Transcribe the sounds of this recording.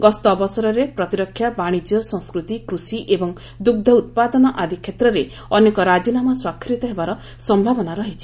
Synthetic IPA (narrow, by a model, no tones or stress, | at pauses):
ɡɔst̪ɔbɔsɔɾɔɾepɾɔt̪iɾɔkʰːjabaɽ̃id͡ʒjɔsɔ̃ŋskɾut̪ikɾusiʔebɔŋ | d̪uɡ̚d̪ʱɔut̪̚pad̪ɔnɔʔad̪ʱikʰːet̪ɾɔɾe | ɔnekɔɾad͡ʒinamɔswakʰːɾit̪ɔɦebaɾɔ | sɔmbʱabɔnaɾɔɦit͡ʃʰi